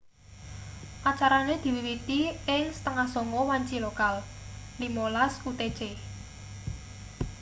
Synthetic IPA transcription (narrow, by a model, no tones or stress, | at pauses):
ʔat͡ʃaɾaned̪̥i̤wiwit̪iɪŋsə̥t̪əŋahsɔŋɔwaɲt͡ʃilokallimolaskut̪e̥t͡ʃe